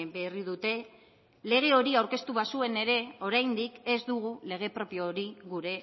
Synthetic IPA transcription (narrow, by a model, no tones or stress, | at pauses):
beriðut̪e̞ | le̞ɣ̞e̞o̞ɾiawɾke̞st̪uβasue̞ne̞ɾe̞o̞ɾajnd̪ike̞zd̪uɣ̞ule̞ɣ̞e̞pɾo̞pjioɾiɣuɾe̞